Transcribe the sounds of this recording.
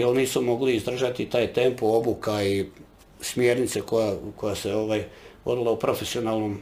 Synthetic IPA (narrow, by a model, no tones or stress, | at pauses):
jelniːsumo̞ɡliizd̪ɾr̩ʒat̪it̪aːjt̪empoobukai | smje̞ɾnit̪sekojako̞jase̞oʋaːjʋo̞d̪ilˠaupɾo̞fesio̞naːlˠno̞m